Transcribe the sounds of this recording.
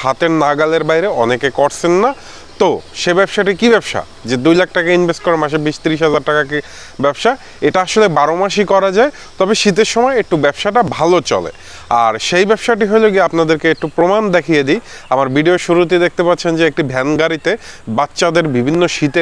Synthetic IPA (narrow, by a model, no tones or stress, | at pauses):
hat̪eɾnaɡaleɾbaɦjɾeɔnekekɔɾt͡ɕʰenːa | t̪oʃebɛbʃaʈikibɛbʃa̰ | d͡ʑed̪ujlak̚ʈakainbʱesʈ̚kɔɾemaʃ̬ebiʃt̪iɾiʃ̬ɦɛd͡ʑaɾʈakaki | bɛbʃa | eʈaaʃolebaɾomaʃikɔɾad͡ʑae | t̪ɔbeʃit̪̬eɾʃɔmɔeek̚ʈubɛbʃaʈabʱalot͡ɕɔ̰lḛ | a̰ɾʃejbɛbʃaʈ̬iɦojloɡiapnad̪eɾkeek̚ʈupɾomand̪ekʰijed̪ijamaɾbiɖioʃuɾut̪̬id̪ek̚t̪epat̪ːɕʰend͡ʑeek̚ʈibʱɛnɡaɾit̪ebatːɕad̪eɾbibʱinːoʃit̪e